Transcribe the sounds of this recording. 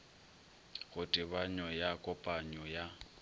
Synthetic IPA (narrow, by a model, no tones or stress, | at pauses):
ɣʊtʼɪbaɲɔjakʼɔpʼaɲɔja